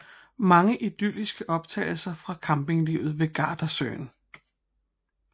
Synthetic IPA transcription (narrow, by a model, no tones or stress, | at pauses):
mɑ̈ŋəʔid̥ylisɡ̥əʔɒ̽b̥̚t͡sʰɛ̰ːɪl̩sɐfʁɑ̈kʰɑ̈mb̥e̝ŋliʊð̩ˠʋe̝ɡ̥ɑ̰̈ːd̥ɐsø̰ːn